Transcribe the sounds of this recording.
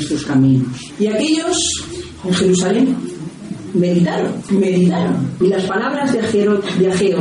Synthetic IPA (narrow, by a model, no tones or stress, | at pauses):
st̪ɾoskamĩnosiakeʎo̞s | eŋxe̞ɾusalem | me̞ðit̪aɾonmeðit̪aɾo̰nilaspalaβ̞ɾazðaxeɾobjaxeɾo